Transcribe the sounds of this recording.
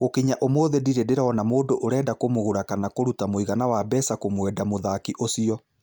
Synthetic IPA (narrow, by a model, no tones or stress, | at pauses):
ɣokiɲaʔomoːðediɾɛdeɾaɔnamoːdoʔoɾɛːdakomoɣoɾakanakoɾutamoiɣanawabɛsakomwɛːdamoðakiʔosiɔ